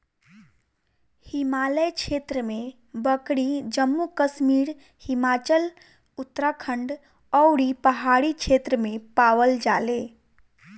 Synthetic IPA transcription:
himaləjt͡ʃʰet̪ɾəme | bəkɽid͡ʒəmːukəsmiɾ | himat͡ʃəl | ut̪ːɾakʰəɳɖ | əwɽipəɦaɽit͡ʃʰet̪ɾəmepaʋəld͡ʒale

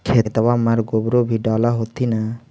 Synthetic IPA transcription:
kʰet̪awamaɾɡobɾobʱiɖɔlaɦot̪ina

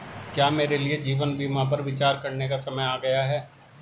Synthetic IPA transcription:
kjaːmeːɾelied͡ʒiːʋənbiːmãpɐɾʋɪt͡ʃaːɾkɐɾnekasɐməjaːɡɐjaɦɛː

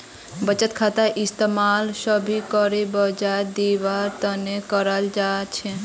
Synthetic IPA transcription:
bət͡ʃət̪kʰat̪aʔɪst̪emalsəbʱikəɾebəd͡ʒad̪iʋaɾt̪ənekəɾald͡ʒat͡ʃʰe

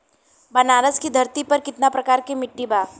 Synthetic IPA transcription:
bɐnaːɾəskid̪ʱɐɾt̪ipɐɾkɪt̪napɾɐkaːɾkimɪʈːibaː

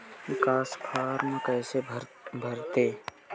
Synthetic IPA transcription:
ɪkaːspʰaːɾməkɛːsebʱəɾt̪eː

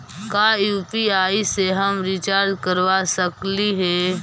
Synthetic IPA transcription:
kaːjuːpiaːiseɦəmɾɪt͡ʃaːɾd̪kəɾʋasəkliɦɛː

